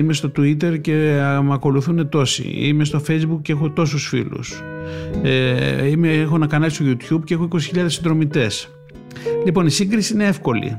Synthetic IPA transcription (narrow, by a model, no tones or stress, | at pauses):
ime̞st̪o̞t̪uit̪̬e̞ɾce̞ɐmɐko̞luθune̞t̪o̞sḭḭmest̪o̞fe̞jzbukcːeexot̪o̞s̬usfḭlṵs | eimeexo̞nɐkɐnɐlist̪oʝut̪çubceexoiko̞si̥çiʎɐðesid̪ɾo̞mit̪e̞s | lipo̞nisiŋɡɾisiine̞e̞fko̞lḭ